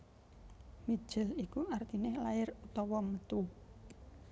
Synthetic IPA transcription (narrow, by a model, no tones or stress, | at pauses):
mi̥ʒ̥ɪlikuʔart̪inɪhlaɪrut̪ɔwɔmət̪u